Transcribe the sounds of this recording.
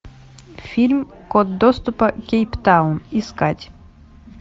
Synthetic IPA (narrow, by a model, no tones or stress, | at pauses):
fʲilʲm | kod̪̚d̪ost̪upɐkʲejpt̪awniskatʲ